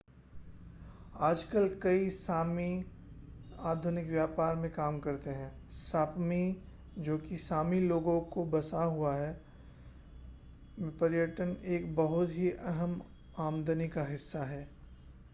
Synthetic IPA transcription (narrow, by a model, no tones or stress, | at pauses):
aːd͡ʒkəlkɐisaːmi | aːd̪ʱʊnɪkʋjaːpaːɾmẽkaːmkɐɾt̪eɦɛ̃ː | saːpmi | d͡ʒoːkisaːmiloːɡõkobɐsaɦuaɦɛ | mpɐɾjəʈəneːkbɐɦʊt̪ɦiʔɐɦəm | aːmd̪ənikaɦɪsːaɦɛː